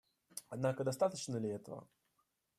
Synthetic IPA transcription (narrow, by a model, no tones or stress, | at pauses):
ad̪nakəd̪ɐst̪at̪ət͡ɕnəlʲɪɛt̪ə̰və̰